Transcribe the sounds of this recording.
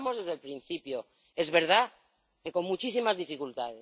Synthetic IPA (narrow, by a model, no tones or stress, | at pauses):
mo̞zðe̞zðe̞lpɾin̟θipjo | e̞zβe̞ɾð̞a | ke̞ko̞nmut͡ʃis̬imazðifikult̪aðe